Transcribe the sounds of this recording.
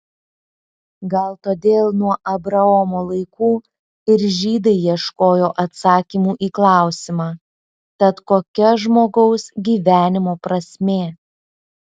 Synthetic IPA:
ɡɐlˠt̪oːd̪ʲeːlˠnuɔʔɐbɾɐɔmoːlˠɐɪkuː | ɪɾʒʲiːd̪ɐɪjiɛʃkoːjoːʔɐt̪sɑːkʲiːmuːʔiːklˠɑˑʊsʲɪmɑː | t̪ɐt̪koːkʲɛʒmoːɡɒʊsɡʲiːʋʲæːnʲɪmoːpɾɐsʲmʲeː

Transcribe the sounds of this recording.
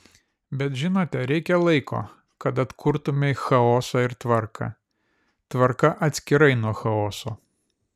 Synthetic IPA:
bʲɛt̪ʒʲɪnoːt̪ʲɛɾʲɛɪkʲɛlˠɐɪkʰo̰ː | kɐt̪ɐt̪kʰʊɾt̪ʊmʲɛxɐoːsɐːɪɾt̪ʋɐɾkʰɐ̰ | t̪ʋɐɾkɐʔɐt̪ʲsʲkʲɪɾɐɪnuɔxɐoːsoː

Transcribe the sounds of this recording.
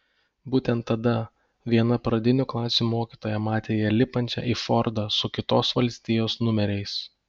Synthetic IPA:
buːt̪ʲɛnt̪ːɐd̪ɐ | ʋʲiɛnɐpɾɐd̪ʲɪnʲuːklˠɑːsʲumoːkʲiːt̪oːjɛmɑːt̪ʲeːjɛlʲɪpɐnʲt͡ʃʲɛ̰ːʔifɔɾd̪ɑsʊkʲɪt̪oːsʋɐlʲsʲt̪ʲɪjoːsnʊmʲɛɾʲɛɪs

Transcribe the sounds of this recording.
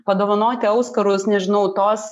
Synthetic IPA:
pɐd̪oːʋɐnoːt̪ʲɪɐʊskɐɾʊsnʲɛʒʲɪnɐʊt̪oːs

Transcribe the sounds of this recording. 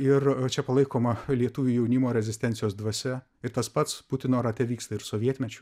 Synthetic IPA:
ɪrt͡ʃʲɛpɐlˠɐɪkoːmɐlʲiɛt̪uʋʲujɛʊnʲimoːɾʲɛzʲɪsʲt̪ʲɛnʲsʲɪjoːsd̪ʋɐsʲɛ | ɪɾt̪ɐspɐt̪spʊt̪ʲɪnoːɾɐt̪ʲɛʋʲiːkst̪ɐɪɾsoːʋʲiɛt̪ʲmʲɛt͡ʃʲʊ

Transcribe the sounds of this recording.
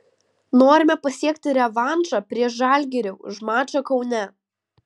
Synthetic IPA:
noːɾʲɪmʲɛpɐsʲiɛk̚t̪ʲɪɾʲɛʋɑnˑʒɑːpʲɾʲiɛʃʒɑˑlʲɡʲɛɾʲɛʊʒmɑːt͡ʃɐkɐʊnʲɛ

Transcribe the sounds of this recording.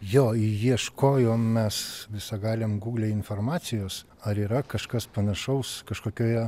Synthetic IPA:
joːjiɛʃkoːjoːmʲɛsʋʲɪsɐɡɑːlʲemɡuːɡlʲeːɪnfoːrmɑːt͡sʲɪjoːs | ɐɾiːɾɐkɐʃkɐspɐnɐʃɐʊskɐʃkoːkʲoːjɛ

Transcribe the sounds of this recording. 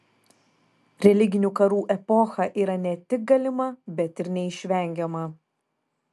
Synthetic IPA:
ɾʲɛlʲɪɡʲɪnʲukɐɾuːʔɛpɔxɐʔiːɾɐnʲɛt̪ʲɪk̚ɡɐlʲɪmɐbʲɛt̪ɪɾnʲɛɪʃʲʋʲɛˑŋʲɡʲɛmɐ

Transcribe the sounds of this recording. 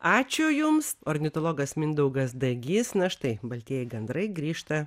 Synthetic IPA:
ɑːt͡ʃʲʊjʊmsoɾʲnʲɪt̪olˠoːɡɐsmʲɪnd̪ɐʊɡɐsd̪ɐɡʲɪsnɐʃt̪ɐɪbɐlʲt̪ʲiɛjɛɪɡɛnd̪ɾɐɪɡɾʲiːʃt̪ɐ

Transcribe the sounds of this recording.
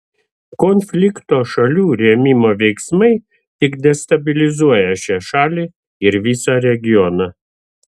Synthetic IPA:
kɔnʲfʲlʲɪkt̪oːʃɐlʲuːɾʲeːmʲɪmoːʋʲɛɪksmɐɪ | t̪ʲɪkd̪ʲɛst̪ɐbʲɪlʲɪzuɔjɛʃʲɛʃɑːlʲiː | ɪɾʋʲiːsɑɾʲɛɡʲɪjɔnɐ

